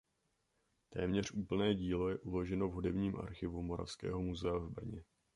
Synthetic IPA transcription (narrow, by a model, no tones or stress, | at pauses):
t̪ɛ̰ːmɲɛr̝ʔuːpl̩nɛːɟiːlo̞jɛʔulo̞ʒɛno̞vɦudɛbɲiːmʔa̰ɾxɪvumo̞ɾa̰fskɛ̰ːɦo̞muzɛavbr̩ɲɛ